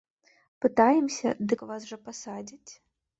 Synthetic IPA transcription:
pɨt̪ajɛmsʲɐ̰d̪ɨkvasʐɐpasad͡zʲit͡sʲ

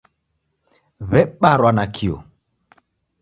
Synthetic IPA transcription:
βɛɓaɾwanakʰiɔ̰

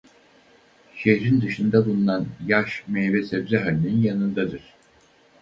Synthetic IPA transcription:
ʃehɾind̪ɯʃɯnd̪abulˠunanjaʃmejvɛsɛbzɛɦalʲininjanɯnd̪ad̪ɯɾ̥

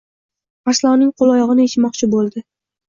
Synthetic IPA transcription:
aslˠɒwnɪŋqʰolˠɒjɒʁɨnɪet͡ʃmɒqt͡ʃʰɪbolˠd̪ɪ

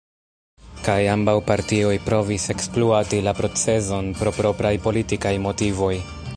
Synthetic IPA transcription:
kajambawpaɾtio̞jpɾo̞vise̞kspluatilapɾo̞t͡se̞zo̞npɾo̞pɾo̞pɾajpo̞litikajmo̞tivo̞j

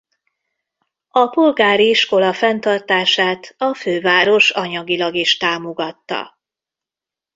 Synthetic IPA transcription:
ɒpo̞lɡaːɾiiʃko̞lɒfɛnt̪ɒrt̪aːʃaːt̪ɒføːvaːɾo̞ʃɒɲɒɡilɒɡiʃt̪aːmo̞ɡɒt̪ːɒ̰

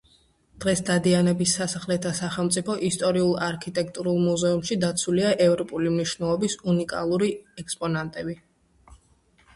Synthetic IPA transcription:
d̪̥ʁɛsd̪ad̪ianɛbisːasaχlɛt̪ʰasaχɛlˠmt̪sʼipʰɔʔist̪ʼɔɾiulˠaɾkʰit̪ʼɛkʰt̪ʼuɾulˠmuzɛumʃid̪at̪sʰuliaʔɛvɾɔpʼulimniʃvnɛlˠɔbisunikʼa̰lˠuɾiɛkspʼɔnant̪ʼɛbi

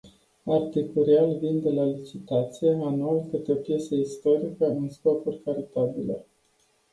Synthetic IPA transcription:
art̪ikuɾialvind̪e̞lalit͡ʃit̪at̪sijeanualkɨt̪eopje̞seist̪o̞ɾikəɨnskopurʲkaɾit̪abilḛ

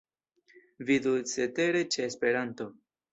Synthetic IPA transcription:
vid̪ut͡sete̞ɾe̞t͡ʃe̞ːspe̞ɾanto̞

